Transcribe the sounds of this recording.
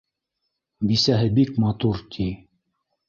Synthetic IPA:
bisæɦɘbikmɑt̪uɾt̪ʰi

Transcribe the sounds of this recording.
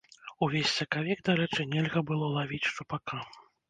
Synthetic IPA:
uvʲesʲsɐkavʲɛɡd̪aɾɛt͡ʂɨnʲɛlʲɣɐbɨlˠɔlˠavʲit͡sʲʂupaka

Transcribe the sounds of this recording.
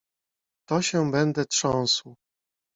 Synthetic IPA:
t̪ɔɕɛbɛnd̪ɛtʂɔ̃w̃sw

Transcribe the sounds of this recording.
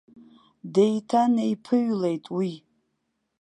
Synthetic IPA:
dejtʰaneipʰɨɥlejtʼwi

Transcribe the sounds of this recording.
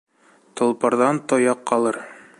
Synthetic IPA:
t̪ŏlˠpɑɾðɑnt̪ojɑqːɑlˠɤɾ

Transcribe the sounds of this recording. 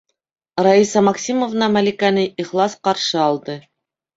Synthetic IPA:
raisɑmɑksʲimovnɑmalʲikanɤiχlˠɑsqɑɾʃɤɑlˠd̪ɤ

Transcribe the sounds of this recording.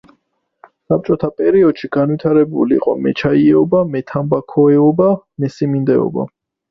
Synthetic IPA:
sap̚t͡ʃʼɔt̪ʰapʼɛɾiɔd̪̥ʃiɡ̥anwit̪ʰaɾɛbṵlḭqʼɔ̰mɛt͡ʃʰaiɛɔbamɛt̪ʰambakʰɔɛɔbamɛsimind̪ɛɔ̰ba̰

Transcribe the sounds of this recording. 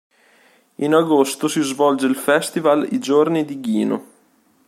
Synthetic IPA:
inaɡost̪osizvɔld͡ʒeilfɛst̪ivalḭd͡ʒornid̪iɡiːno̰

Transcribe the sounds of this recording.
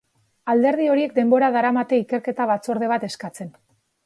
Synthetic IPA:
ald̪e̞ɾð̞io̞ɾie̞k̚d̪e̞mbo̞ɾaðaɾamat̪e̞ike̞ɾke̞t̪aβat͡so̞ɾð̞e̞β̞at̪e̞skat͡se̞n

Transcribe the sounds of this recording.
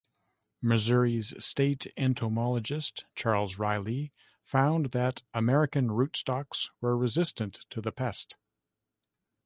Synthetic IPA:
mɨzʊɹiz̥steɪɾɛ̃ntʰoʊmɑlˠəd͡ʒɨstt͡ʃʰɑɹlˠzɹaɪlˠi | fãʊ̃nðɨɾəmɛɹɨkɨ̃nɹʉtstɑkswə˞ɹɨzɪstɨ̃ntʰɨðɨpʰɛst

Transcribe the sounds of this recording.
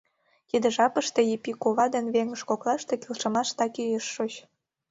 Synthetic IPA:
jid̪ə̆ʒɑpə̆ʃt̪ejipikoβɑd̪enβeŋə̆ʃkoklˠɑʃt̪ekilʃə̆mɑʃt̪ɑkijəʃːot͡ɕ

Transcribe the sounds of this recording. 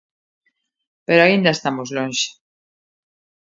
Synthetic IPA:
peɾoaind̪ɐest̪amozlonʃe̥

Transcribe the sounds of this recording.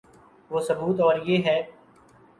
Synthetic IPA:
ʋoːsəbuːt̪ɔːɾjeːɦɛː

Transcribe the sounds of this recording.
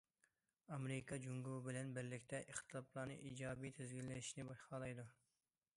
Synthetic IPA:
ɑmɾɪkʰɑd͡ʒuŋɡubɪlɛnbɪɾlɪkʲt̪ʰɛʔeχt̪ʰɨlˠɑplˠɑnɨ̰ʔiːd͡ʒɑːbijt̪ʰezɡʲilːɛnɪʃnɪbɑʃχɑlˠɑjd̪u

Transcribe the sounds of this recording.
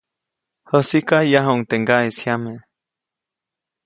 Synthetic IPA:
hosikajaɦouŋt̪eŋɡaishjame

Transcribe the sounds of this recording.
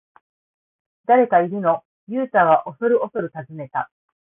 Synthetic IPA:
d̪̥aɾe̞kaiɾʲi̟no̞ | jɯːt̪aːβaʔo̞so̞ɾɯ̟o̞so̞ɾɯ̟t̪azɨme̞t̪a

